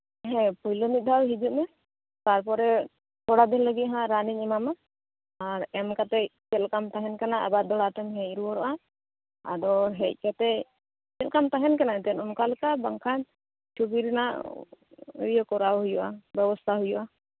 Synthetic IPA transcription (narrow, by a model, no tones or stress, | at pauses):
ɦɛ̃pɔjlɔmit̪̚d̪ʱawɦid͡ʒuʔmɛ | t̪aɾpɔɾɛ | t̪ɔɽad̪inləɡit̪̚ɦãɾaniɲɛmama | aɾɛmkat̪ɛkɛlkamt̪aɦɛnkanaʔa̰bad̪ɔɽat̪ɛmɦɛ̃ɾuwɔɾɔʔa | a̰dɔɦɛc̚kat̪ɛ | kɛlkamt̪aɦɛnkanaɛt̪ɛnɔnkalkabaŋkʰan | t͡ʃʰubiɾɛna̰ʔ | jɔkɔɾawɦujɔʔa̰bɛbɔst̪ʰaɦujuʔa